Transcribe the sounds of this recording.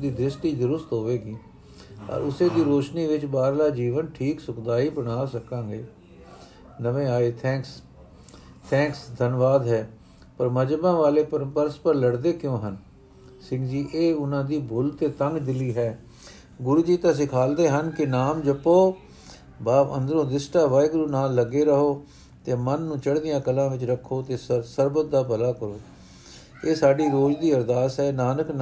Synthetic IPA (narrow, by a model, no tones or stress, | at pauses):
d̪iːd̪ɾɪsʈiːd̪əɾʊst̪ɦoːʋeːɡiː | ə̰ːɾʊseːd̪iːɾoːʃniːʋɪt͡ʃbaːɾlaːd͡ʒiːʋənʈʰiːksʊkd̪aːiːbəɽ̃aːsəkãːɡeː | nəʋẽːaːeːt̪ʰɛ̃ːks | t̪ʰɛ̃ːksd̪ʱənʋaːd̪ɦɛː | pəɾməd͡ʒbãːʋaːleːpəɾpəɾspəɾləɽd̪eːkjõːɦən | sɪ̃ŋɡd͡ʒiːʔeːʊnãːd̪iːbʱʊlt̪eːt̪əŋɡd̪ɪliːɦɛː | ɡʊɾuːd͡ʒiːt̪ãːs̬ɪkʰaːld̪eːɦənkɪnaːmd͡ʒəpːoː | baːpə̰̃nd̪ɾõːd̪ɪsʈaːʋaːɪɡɾuːnaːlːəɡeːɾəɦoː | t̪eːmənːũːt͡ʃəɽd̪ɪjãːkəlãːʋɪt͡ʃɾəkʰːoːt̪eːssəɾbət̪̚d̪aːpəlaːkəɾoː | eːsaːɖiːɾoːd͡ʒd̪iːəɾd̪aːsɦɛːnaːnəkn